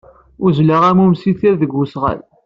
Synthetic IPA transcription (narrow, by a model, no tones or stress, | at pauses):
ʊzlaʁæmumsiθiɾðəɡːusʁæ̰l